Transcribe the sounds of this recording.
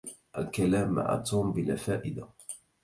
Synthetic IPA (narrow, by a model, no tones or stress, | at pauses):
ʔalkalaːmːa̰ʕa̰t̪uːmbɪlafaːʔɪd̪a